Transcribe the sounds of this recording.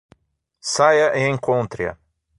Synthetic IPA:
sajɐʔeẽŋkõnt̪ɾiɐ̰

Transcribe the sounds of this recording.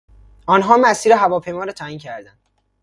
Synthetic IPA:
ɒːnɦɒːmæsiːɾeɦævɒːpʰe̞jmɒːɾɒːt̪ʰæːiːncʰæɾd̪ænd̪

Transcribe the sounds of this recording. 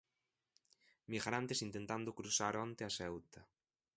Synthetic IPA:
miɣaɾant̪esint̪ent̪and̪ʊkɾusaɾɔnt̪easɛwt̪a

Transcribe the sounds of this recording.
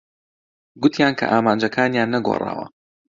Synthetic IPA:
ɡʊt̪ʰjaːnkʰɐ̰ʔaːmaːnd͡ʒɐkʰaːnjaːnːɐɡo̰ːrˤa̰ːwɐ̰

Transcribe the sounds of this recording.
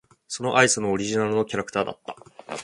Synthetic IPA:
so̞no̞ʔaisɨnoːɾʲiʑinaɾɯ̟no̞kʲaɾakɯ̥t̪aːd̪a̰t̪ːḁ

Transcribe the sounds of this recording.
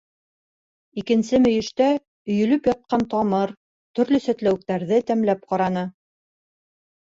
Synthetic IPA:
ikɘ̆nsɘmɵ̆jɘ̆ʃt̪æ | ɵ̆jɵ̆lɵpjɑt̪̚qɑnt̪ɑmɤɾ | t̪ɵ̆ɾlɵsæt̪læwɘ̆k̚t̪æɾðɘt̪æmlæp̚qɑɾɑnɤ

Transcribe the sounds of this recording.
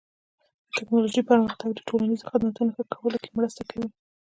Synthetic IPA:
d̪̥ət̪ɪknɑloʒipəɾməxt̪aɡ̚d̪ə̥ʈʰolanizoxad̪nat̪unaxəkʰːawəlokemɽəst̪akʰawi

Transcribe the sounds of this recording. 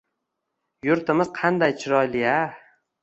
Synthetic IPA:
jʊɾt̪ɪmɪz̥qʰɑnd̪ajt͡ʃʰɪɾɒjlɪja

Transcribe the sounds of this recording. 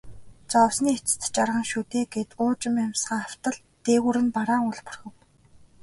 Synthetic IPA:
t͡sɔwsniːet͡s̆t̪̆t͡ɕarʁə̆ŋʃut̪eːɡet̪ʊːt͡ɕɪ̆mamsɢăːaw̥t̪ə̆ɮ | t̪eːɣuɾɘ̆npaɾaːŋʊɮpʊ̥̆rxʲɘ̆w

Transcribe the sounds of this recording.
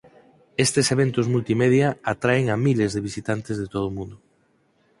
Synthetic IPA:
est̪eseβ̞ent̪ʊzmult̪imeðjɐat̪ɾaeŋamilezðeβ̞isit̪ant̪ezð̞et̪oð̞ʊmũnd̪ʊ

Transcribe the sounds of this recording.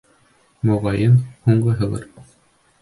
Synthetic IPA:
mŏʁɑjɤnhuɴɢɤɦɤ̆lˠɤ̰ɾ

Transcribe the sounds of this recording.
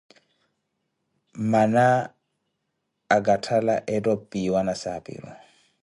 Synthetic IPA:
mana | ɡʼatʰala̰ʔɛdɔpʼiwanasapʼɪ̰ɾɔ̰

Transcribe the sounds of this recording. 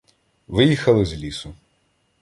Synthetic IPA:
ʋɪjixɐlˠɪzlʲisʊ

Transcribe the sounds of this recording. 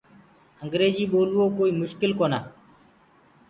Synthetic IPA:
əŋɡɾeːd͡ʒiːɓoːluwokoːiːmʊʃkilkona

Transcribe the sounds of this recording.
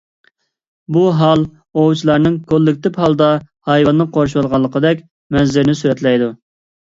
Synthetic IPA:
buɦɑlˠ | owt͡ʃʰilˠɑɾnɨŋkʰolˠːɪk̚ʲt̪ɪphɑlˠd̪ɑ | hɑjwɑnːɨqʰoɾʃ̬wolˠʁɑlˠːəqəd̪ɛkʲ | mɛzːɪɾnɪsyɾɛt̪lɛjd̪u

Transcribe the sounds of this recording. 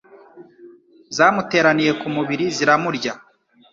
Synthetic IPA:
zaːmute̞ːɾanije̞kumuβiɾiziɾamuɾɟa

